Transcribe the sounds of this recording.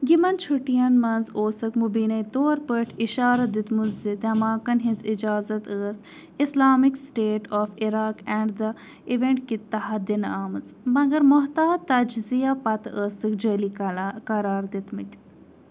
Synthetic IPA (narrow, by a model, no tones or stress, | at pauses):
ɡimɐnt͡ʃʰuʈijɐnmɐnzoːsɐkmubiːnɐjt̪oːɾpəʈʰiʃaːɾɐd̪it̪muzid̪ɐmaːkɐnɦĩnzid͡ʒaːzɐt̪əːs | islaːmiksʈeːʈɔːfiɾaːkɛːɳɖd̪ɐ | iʋeɳʈkit̪ːɐɦɐd̪inaːmɨt͡smɐɡɐɾmoɦt̪aːt̪ɐd͡ʒzijapɐt̪əːsɨkd͡ʒəːlikɐɾaːɾd̪it̪mit̪ʲ